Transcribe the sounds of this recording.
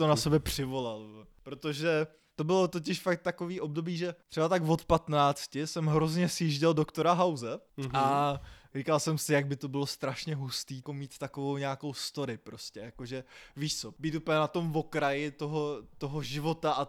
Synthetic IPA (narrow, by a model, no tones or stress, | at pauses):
t̪onasɛbjɛpr̝̥ɪvo̞lalpɾo̞t̪o̞ʒɛ | t̪o̞bɪlo̞t̪o̞c̬ɪʃfakt̪t̪ːako̞viːʔo̞b̚do̞biːʒɛt̪ɛbat̪aɡvo̞t̪pat̪naːt͡scɪsɛmɦɾozɲɛsjiʒɟɪldo̞kt̪o̞ɾaɦawzɛarikalsɛmsɪjaɡ̚bɪt̪o̞bɪlo̞st̪ɾaʃɲɛɦust̪iːkomiːt̪t̪akovowɲaːkowst̪o̞ɾɪpɾo̞scɛjakoʒɛviːʃt͡so̞biːt̪uːpəlɲɛnat̪o̞mvo̞kɾajɪt̪o̞ɦot̪o̞ɦoʒɪvo̞t̪aʔa